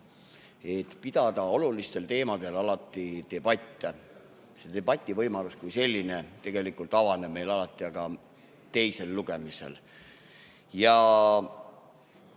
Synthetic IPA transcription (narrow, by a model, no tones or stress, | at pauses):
e̞t̪ːpid̪̥ɑd̪̥ɑo̞lulist̪e̞lt̪e̞ːmɑd̪̥e̞lɑlɑt̪ːˑit̪e̞b̥ɑt̪ʲːˑe | se̞d̪̥e̞b̥ɑt̪ʲːˑivɤjmɑluskujse̞lʲːine̞t̪e̞ɡ̥e̞likult̪ˑɑvɑnemːe̞jlɑlɑt̪ːˑiɑɡ̥ɑ | t̪e̞jse̞lːuɡ̥e̞misḛl | jɑ